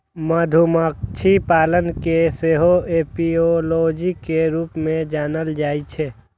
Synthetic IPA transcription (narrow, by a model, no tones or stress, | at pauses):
məd̪ʱumək̚t͡ʃʰipaːlənkeseɦoepioloːd͡ʒikeɾuːpmẽd͡ʒaːnəld͡ʒaːit͡ʃʰɛː